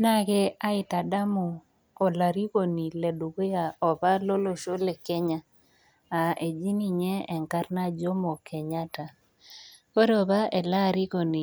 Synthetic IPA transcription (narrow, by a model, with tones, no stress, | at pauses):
na˦ɡɛ˦a˦ɪ˨ta˨da˦mo˨ | o˨la˨ɾi˦ko˨ni˨lɛ˨du˨ɡo˦ja˨ɔ˨pa˦lo˦lo˨ʃo˦le˨kɛ˦ɲa˦ | a˨e˨d͡ʒi˦ni˨ɲɛ˦ɛ˨ŋka˦rna˦d͡ʒo˦mɔ˨kʰɛ˨ɲa˦ta˨ | ko˦ɾɔ˨ba˦e˨la˦˨ɾi˦ko˨ni˨